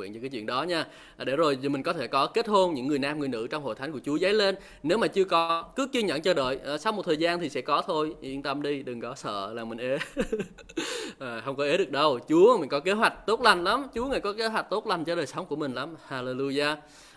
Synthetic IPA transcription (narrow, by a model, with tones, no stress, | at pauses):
ḭ˧˨nt͡ɕːkːaː˨˦t͡ɕwḭ˧˨ənɗɔ˨˦ɲaː˧˨ | ɗe˧˩zo˨˩jmi˨˩ŋ̟kɔ˨˦t̪ʰe˧˩kɔ˨˦ke˦˥t̚ho˧nɲɨ̰˧˥ŋːɨ˨˩əjnaː˧mŋɨ˨˩əjnɨ̰˧˥t͡ɕɔ˧wŋ͡mho̰˧˨jt̪ʰa˨˦ŋku˧˩ət͡ɕu˨˦zə˨˦jle˧nː | e˨˦wmaː˨˩t͡ɕɨ˧əkɔ˨˦kɨ˨˦t͡ɕɨ˧ɲə̰˧˩˨nt͡ɕɔ˧ɗə̰ː˧˨jːsa˧wmo˨˩t̚t̪ʰəː˨˩jzaː˧nt̪ʰi˨˩sɛ̰˧˥kɔ˨˦t̪ʰo˧jʔi˧ənt̪ə˧mɗi˧ɗɨ˨˩ŋkɔ˨˦sə̰ː˧˨laː˨˩ŋmï˨˩ŋ̟ʔe˨˦ | ʔːxə˧wŋ͡mkɔ˨˦ʔe˨˦ɗɨ˨˩ək̚ɗə˧wt͡ɕu˨˦əmï˨˩ŋ̟kɔ˨˦ke˨˦ɦwa˨˩jk̟̚t̪o˦˥t̚la˧˩jŋ̟la˨˦mt͡ɕu˨˦əŋaː˨˩jkɔ˨˦ke˨˦ɦwa˨˩k̟̚t̪o˦˥t̚la˨˩ŋt͡ɕɔ˧ɗəː˨˩jsə˨˦wŋ͡mku˧˩əmï˨˩ŋ̟la˨˦mhaː˧le˧lu˧jaː˧